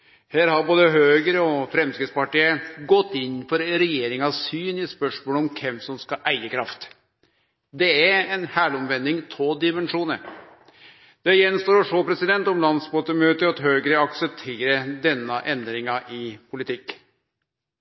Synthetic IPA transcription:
hæːɾhɑɾboːd̪əɦøːɡəɾəɔfɾɛmskɪd̪spɑʈiːəɡɔt̪ːɪnːfɔɾɾɛjeːɾɪŋɑssyːnɪspœʂmoːləɔmkʰɛmsɔmskɑʔæɪəkʰɾɑft̪ | d̪ɛæɾɛnhæːɭɔmʋɛnd̪ɪŋt̪ʰoːd̪ɪmɛnʂuːnə | d̪̥ɛjɛnst̪oːɾɔʂoːpʰɾɛsɪd̪ɛnt̪ɔmlɑnsmoːt̪əmøːt̪əɑt̪ɦøːɡəɾəɑksəp̚t̪ʰeːɾəd̪ɛnːəʔɛnd̪ɾɪŋɑʔɪpʰʊlɪt̪ʰɪkː

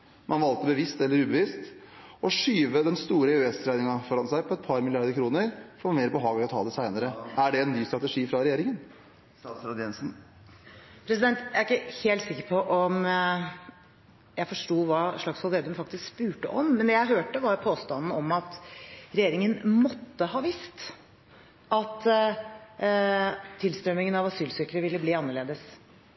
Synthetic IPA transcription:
mɑnʋɑlt̪əbəʋɪst̪ɛlːəɾʉːbəʋɪst̪ɔʂyːʋəd̪ɛnst̪uːɾəʉɛst̪ʰɾæɪnɪŋɑfɔɾɑnsæɪpʰɔɛt̪̚pʰɑɾmɪlɪɑɾd̪əkʰɾuːnəɾfɔmeːɾbəɦɑːɡəlɪɔt̪ʰɑ̰ːd̪ɛsæɪnəɾəæɖɛɛnːyːst̪ɾɑt̪əʂiːfɾɑɾɛjeːɾɪŋən | sɾɑd̪ɛnsn̩ | pʰɾɛsɪd̪ɛnt̪jææɾɪkːəheːlt̪sɪkːəɾpʰɔʔɔm | jæɪfɔʂʈuːʋɑːʂɭɑksfɔlʋeːd̪əmfɑk̚t̪ɪskspʉːʈəʔɔmːɛnd̪ɛjæɪɦøːʈəʋɑɾpʰoːst̪ɑnn̩ɔmɑt̪ɾɛjeːɾɪŋənmɔt̪ːəhɑːʋɪst̪ | ɑt̪ | t̪ʰːɪlst̪ɾœmɪŋənɑʋɑsyːlsɪkəɾəʋɪlːəbliːɑnːəɭeːd̪əs

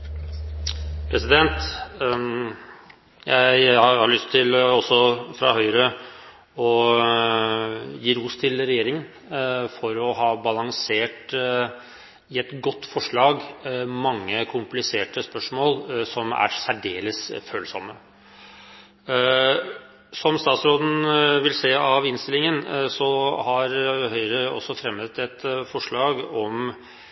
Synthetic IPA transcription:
pʰɾɛsɪd̪ɛnt̪ | jʔæɪhɑɾɭʏst̪ʰːɪlɔsːɔfɾɑ̰ɦœʏɾə | ɔ | jiːɾuːst̪ʰɪlɾɛjeːɾɪŋən | fɔɾɔɦɑːbɑlɑŋseːʈ | ɪɛt̪ɡɔt̪ːfɔʂɭɑːɡmɑŋːəkʰʊmplɪseːʈəspœʂmoːlsɔmæ̰ɾsæɖeːləsføːlsɔmːə | sɔmst̪ɑːt̪sɾoːd̪n̩ʋɪlseːɑʋɪnst̪ɪlɪŋənsɔhɑɾhœʏɾəɔ̰sːɔfɾɛmːət̪ɛt̪fɔʂɭɑːɡɔm

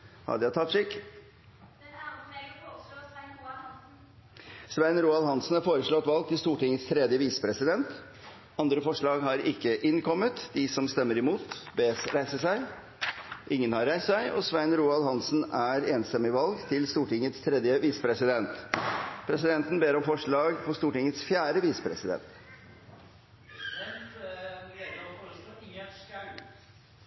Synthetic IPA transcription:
hɑ̰d̪æt̪ʰɑt̪ːʂɪkː | sʋæɪnɾuːɑlɦɑnsn̩hɑɾfoːɾəʂɭɔt̪ːʋɑlɡ̚t̪ʰɪlst̪uːʈɪŋːət̪st̪ʰɾɛd̪jəʋiːsə̥pʰɾɛsɪd̪ɛnt̪ | ɑnd̪ɾəfɔʂɭɑːɡɦɑɾɪkːəʔɪnkʰɔmːət̪d̪ɪsɔmst̪ɛmːəɾɪmuːt̪beːɾæɪsəsæɪ | ʔɪŋːənhɑɾːæɪssæɪʔɔ̰sʋæɪnɾuːɑlhɑnsn̩æɾeːnst̪ɛmɪʋɑlɡt̪ʰɪlst̪uːʈɪŋːət̪st̪ʰɾɛd̪jəʋiːsə̥pʰɾɛsɪd̪ɛnt̪pʰɾɛsɪd̪ɛnt̪n̩beːɾɔmfɔʂɭɑːɡpʰɔst̪uːʈɪŋət̪sfjæːɾəʋiːsə̥pʰɾɛsɪd̪ɛ̰nt̪

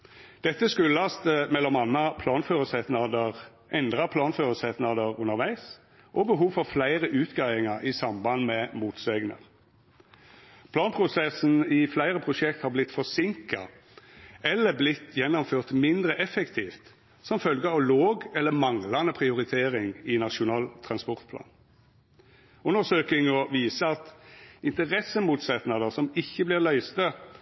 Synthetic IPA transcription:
d̪̥ɛt̪ːəskʉləɑst̪əmɛlːɔmɑnːɑpʰlɑːnføːʁəsɛt̪nɑd̪əʁ | ʔɛnd̪ʁɑpʰlɑːnføːʁəsɛt̪nɑd̪əʁʉnəɾʋæɪs | ʔɔbəɦuːʋfɔɾflæɪʁəʔʉːt̪ɡɑɪɪŋɑɾʔɪsɑmbɑnmɛmuːt̪seɡnə̰ʁ | pʰlɑːnpʰʁʊsɛsn̩ɪflæɪʁəpʰʁʊʃɛk̚t̪hɑːblɪt̪fɔsɪŋkɑ̰ | ɛlːəblɪt̪ːjɛnːɔmføːʁt̪mɪnd̪ʁəʔɛfɛkt̪ʰiːft̪ | sɔmfœlɡəɑʋloːɡɛlːəmɑŋlɑnəpʰʁɪʊʁɪt̪ʰeːʁɪŋɪnɑʃʊnɑːlt̪ʰʁɑnspɔʁt̪pʰlɑ̰ːn | ʉnəsøːkɪŋɔʋiːsəɑt̪ɪnt̪əʁɛsːəmuːt̪sɛt̪nɑd̪əsɔmɪçːəblɪːʁlœʏst̪ə

